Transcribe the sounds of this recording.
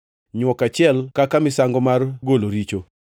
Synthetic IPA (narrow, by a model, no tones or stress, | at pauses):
ɲwɔkat͡ʃɪɛlkakamɪsaŋɡɔmarɡoloɾit͡ʃo